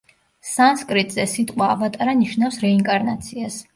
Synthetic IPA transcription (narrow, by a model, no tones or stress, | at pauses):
sanskʼɾit̪ʼz̥ɛsit̪ʼqʼwavat̪ʼaɾaniʃnafsɾɛiŋkʼaɾnat̪sʰias